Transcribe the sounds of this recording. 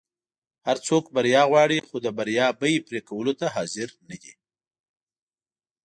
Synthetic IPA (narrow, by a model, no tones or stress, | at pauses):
haɾt͡sokbaɾjɑɣwɑɽixod̪əbaɾjɑbəjepɾekawəlot̪aɦɑzɪɾnad̪ḭ